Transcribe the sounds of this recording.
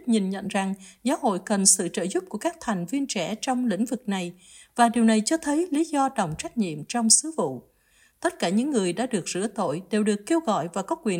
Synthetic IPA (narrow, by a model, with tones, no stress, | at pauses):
ɲi˨˩nɲə̰˧˨nza˨˩ŋzaː˨˦wɦo̰˧˨jkə˨˩nsɨ̰˧˨t͡ɕə̰ː˧˨zʊ˦˥p̚ku˧˩əkaː˦˥k̚t̪ʰa˨˩jŋ̟vi˧ənt͡ɕɛ˧˩t͡ɕɔ˧wŋ͡mlḭ̈˧˥ŋ̟vɨ˨˩k̚na˨˩j | vaː˨˩ɗi˨˩əwna˨˩jt͡ɕɔ˧t̪ʰə˨˦jli˨˦zɔ˧ɗə˨˩wŋ͡mt͡ɕa˦˥jk̟̚ɲḭ˧˨əmt͡ɕɔ˧wŋ͡msɨ˨˦vṵ˧˨ | t̪ə˦˥t̚kaː˧˩ɲɨ̰˧˥ŋːɨ˨˩əjɗa̰ː˧˥ɗɨ˨˩ək̚zɨ̰˧˥ət̪o̰˧˨jɗe˨˩wɗɨ˨˩əkːe˧wɣɔ̰˧˨jvaː˨˩kɔ˨˦kwi˨˩ə